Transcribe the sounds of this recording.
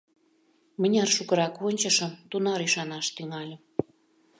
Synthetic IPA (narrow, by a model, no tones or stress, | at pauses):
mənʲɑrʃukə̆ɾɑkonʲt͡ɕə̆ʃə̆mt̪unɑɾiʃɑnɑʃt̪yŋɑlʲə̆m